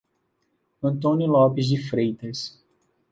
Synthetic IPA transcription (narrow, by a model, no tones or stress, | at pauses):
ɐ̃nt̪õnʊlɔpɪzd͡ʒɪfɾejt̪ɐs